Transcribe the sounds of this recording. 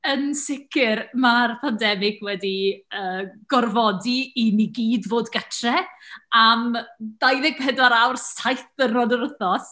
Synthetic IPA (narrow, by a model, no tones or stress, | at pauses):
ənsɪkʰɪrmarpʰandɛmɪɡʰwɛdiəːɡ̥ɔrvɔdiːniɡiːdvoːdɡatʰrɛamd̥ajðɪɡ̚pʰɛdwaɾawrsajθənrɔdəɾʊθɔs